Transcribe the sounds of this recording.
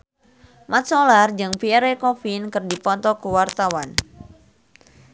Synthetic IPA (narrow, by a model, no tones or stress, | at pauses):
mat̪̚sɔlard͡ʒɨŋpiɛɾɛkɔfinkɨrdipɔnt̪ɔkuwart̪awan